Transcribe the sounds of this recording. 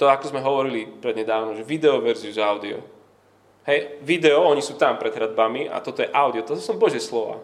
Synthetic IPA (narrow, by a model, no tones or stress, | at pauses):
t̪ɔakɔzmɛɦɔʋɔɾilipɾɛd̪ɲɛd̪aːʊnɔmʒɛʋid̪ɛɔʋɛɾziuzaʊd̪iɔ̰ | hɛjʋid̪ɛɔɔɲisuːt̪ampɾɛd̪ɦɾad̪bamiʔa̰t̪ɔt̪ɔjɛʔaʊd̪iɔt̪ɔɔsɔmbɔʒɪɛslɔʋa̰ː